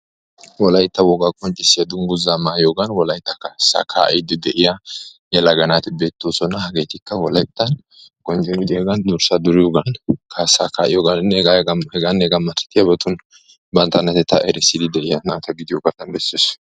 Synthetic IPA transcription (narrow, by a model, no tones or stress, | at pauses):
wɔlɐjt̪ːɐwɔɡaːkʼɔnt͡ʃʼːɪsːɪjɐd̪ʊŋɡʊzaːmaːjoːɡɐnwɔlɐjt̪ːɐkasa̰kʰa̰ːʔɛjd̪ɪd̪ɛʔɪjajɛlɐɡɐnaːt̪ɪbeːt̪ːoːsɔnɐɦɐɡeːt̪ɪkːɐwɔlɐjt̪ːɐn | kʼɔnt͡ʃʼɛmɪd̪ɪjaɡɐnd̪ʊɾsad̪ʊɾɪjoːɡɐnkʰasakʰaːʔɪjoːɡɐnnɛɡaɡɐhɛɡanːɛɡɐmːɐt̪ːɐ̥t̪ːɪjɐbɐt̪ʊn | bɐnt̪ɐnɐt̪ɛt̪ʰɐʔɛɾɛsːɪd̪ɪd̪ɛʔɪjanaːt̪ɐɡɪd̪ɪjoːɡɐt̪ɐnbɛsːes